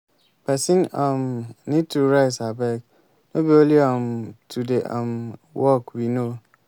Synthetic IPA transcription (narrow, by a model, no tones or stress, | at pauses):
pɛsĩnɔmnid̚tuɾaɪsabɛk | nobioliɔmtʰudeʔã̰mwɔkwino